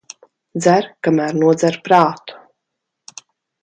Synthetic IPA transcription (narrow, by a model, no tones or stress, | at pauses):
d̪zæɾkamæːɾnuɔd̪zæɾpɾaːt̪u̥